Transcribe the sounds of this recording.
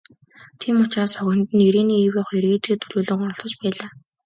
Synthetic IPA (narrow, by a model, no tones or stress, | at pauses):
t̪ʰiːmʊt͡ɕraːsœɣʲɪ̆nt̪ɘ̆neɾeːniːewʲʊχeɾɣeːt͡ɕɡeːt̪ʰɵɮuːɮɘ̆ŋɔ̆ɮsɞ̆t͡ɕpæːɮaː